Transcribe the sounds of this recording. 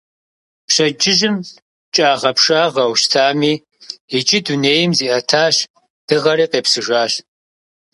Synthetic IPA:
pɕɐd͡ʒʼɪʒɪm | t͡ʃʼaːʁɐpʂaːʁɐwʃtʰaːmiː | et͡ʃʼɪduneːjɪmziːʔɐtʰaːɕ | d̥ɨʁɐɾiːqeːpsɨʒaːɕ

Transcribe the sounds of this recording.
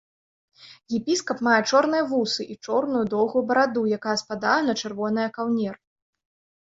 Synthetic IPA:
jɛpʲiskɐpmajɛt͡ʂɔrnɨjɐvusɨʔit͡ʂɔrnujud̪ɔwɣujbɐɾad̪ujakajɐspad̪ajɛnɐt͡ʂɨrvɔnɐjɐkawnʲɛr

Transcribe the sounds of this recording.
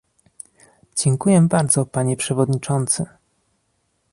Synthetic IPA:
d͡ʑɛŋkujɛbaɾd̪zɔpaɲɛpʂɛvɔd̪ɲit͡ʂɔnt̪sɘ

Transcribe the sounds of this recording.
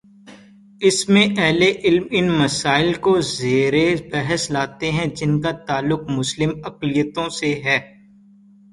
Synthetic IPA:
ɪsmẽʔɛɦleʔɪlmɪnmɐsaːɪlkozeːɾebɛɦəslaːt̪eɦɛ̃d͡ʒɪnkat̪aːlːʊq̚mʊslɪmɐqlijət̪õseɦɛː

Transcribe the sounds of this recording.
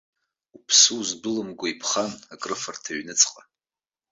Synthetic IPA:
upʰsuzbɨlɨmɡʷaipʰχanakʼrɨfartʰaɥnɨt͡sʰʼqʼa

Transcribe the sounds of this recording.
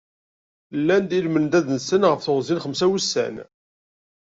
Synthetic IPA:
lːænd̪ilmənd̪æðnsənʁəfθʊʁzinχəmsæwusːæ̰n

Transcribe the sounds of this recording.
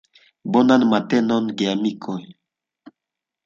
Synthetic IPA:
bɔnanmatɛnɔnɡeamikʰɔj

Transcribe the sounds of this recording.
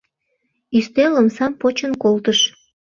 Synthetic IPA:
yst̪eləmsɑmpot͡ɕənkolt̪əʃ

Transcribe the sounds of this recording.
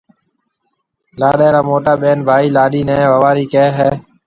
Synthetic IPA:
laːɗɛːɾaːmoːʈaːɓeːnbʱaːiːlaːɗiːnɛ̃ːʋəʋaːɾiːkɛːɦɛː

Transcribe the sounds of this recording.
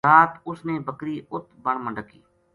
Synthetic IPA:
aːt̪ʊsneːbəkɾiːʊt̪ʰbəɳməɳɖəkːḭː

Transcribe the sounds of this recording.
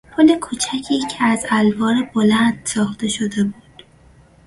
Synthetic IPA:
pʰole̞kʰut͡ʃʰæcʰiːcʰeæzælvɒːɾebo̞lænd̪̥sɒːxt̪e̞ʃo̞d̪e̞buːd̪̥

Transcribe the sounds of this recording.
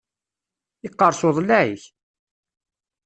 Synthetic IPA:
ɪqːəɾˤsoðˤlæʕiç

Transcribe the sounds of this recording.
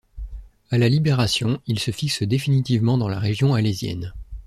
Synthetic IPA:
alalibeʁasjɔ̃ilsəfiksəd̪efinit̪ivmɑ̃d̪ɑ̃la̰ʁeʒjɔ̃alezjɛ̰n

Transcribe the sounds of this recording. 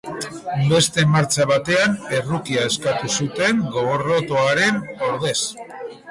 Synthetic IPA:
be̞st̪e̞maɾt͡ʃaβat̪e̞ame̞rukiae̞skat̪usut̪e̞ŋɡo̞ɣoro̞t̪oaɾe̞no̞ɾð̞e̞s

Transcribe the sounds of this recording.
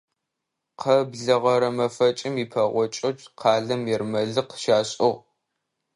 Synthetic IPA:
qʰɐbɮɐʁɐɾɐmɐfɐt͡ʃʼɪmiːpʰɐʁʷɔt͡ʃʼɐt͡ʃʼqʰɑːɮɐmjɛrmɐɮɨqʃaːɕʼoʁ

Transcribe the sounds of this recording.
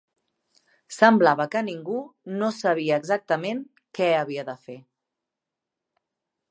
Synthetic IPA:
səmblaβəkəniŋɡunosəβ̞iəːɡzak̚t̪əmen | kɛəβiəðəfe

